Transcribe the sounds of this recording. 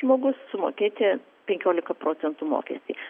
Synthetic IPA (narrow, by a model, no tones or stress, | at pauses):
moːɡʊssʊmo̰ːkʲeːt̪ʲɪ | pʲɛŋʲkʲoːlʲɪkɐpɾoːt̪sʲɛnt̪uːmo̰ːkʲɛsʲt̪ʲiː